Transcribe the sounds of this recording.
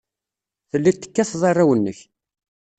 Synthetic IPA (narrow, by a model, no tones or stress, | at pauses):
θəlːit̪ːə̥kːæθðˤɑrˤːawənːəç